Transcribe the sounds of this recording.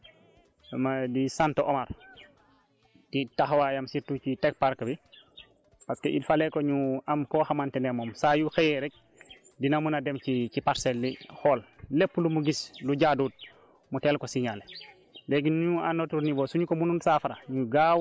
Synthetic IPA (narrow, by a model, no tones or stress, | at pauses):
madisantoʔomaɾ | titaxwajamsiɾtut͡ʃitek̚paɾkɐbi | paskeʔilfalekoɲuamkɔxamantɛnemɔːmsajuxejɛɾɛk̚ | dinamunadɛmcit͡ʃipaɾsɛlːixɔːllepːulumuɡisluɟaduːd̚ | mutɛlkosiɲal | leɡinɲuanotuɾnibosuɲukomununsafaɾaɲuɡaw